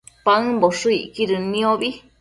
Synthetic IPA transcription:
paɨ̃boʂɨiʔkiɾɨnĩoβi

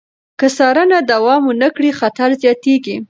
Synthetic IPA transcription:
kəsɑɾənad̪awɑmʊnakɽixat̪aɾzjɑt̪eɡi

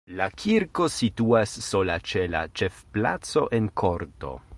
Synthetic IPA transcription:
lakʰiɾko̞situasːo̞lat͡ʃela̰t͡ʃe̞fpla̰t͡so̞ʔenkʰo̞ɾto̞̰

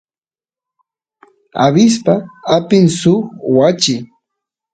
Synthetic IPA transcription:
a̰βɪs̬paapɪŋsʊχwat͡ʃɪ

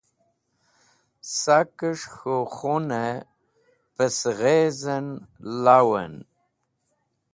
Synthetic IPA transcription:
sakəʂxoχunə | pəsɣezənlawə̰n

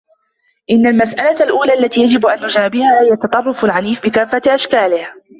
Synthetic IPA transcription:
ʔɪnːalmasʔalalʔuːlaːʔalːat̪iːjad͡ʒɪbʔanːʊd͡ʒaːbɪhaːɪjat̪ɑt̪ˤɑrˤːɑfalʕaniːfbɪkaːfːaʔaʃkaːlɪh

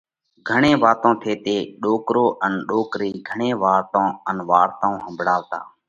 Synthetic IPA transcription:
ɡʱəɳẽːʋaːt̪õːt̪ʰeːt̪eːɗoːkɾoːʔənɗoːkɾiːɡʱəɳẽːʋaːɾt̪õːənʋaːɾt̪ãːũːɦə̃mbʱɽaːʋt̪a̰ː

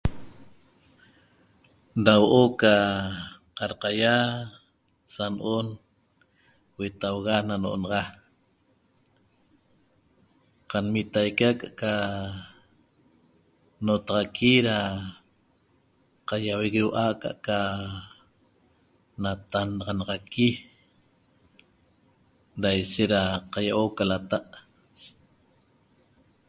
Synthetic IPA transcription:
dawoʔoka | qɑɾqɑja | sanʔon | wet̪awɣanano̰ʔonɑʁɑ | qanmit̪ajkakaʔka | not̪ɑʁɑkʰiɾa | qajaweɣewʔaka̰ʔka | nat̪anɑʁɑnɑʁɑkʰi | ɾajʃeʔɾaqajaʔokalat̪aʔ

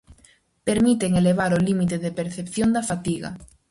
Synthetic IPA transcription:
peɾmit̪eŋeleβ̞aɾolimit̪̬eðepeɾθepθjond̪afat̪iɣa̰

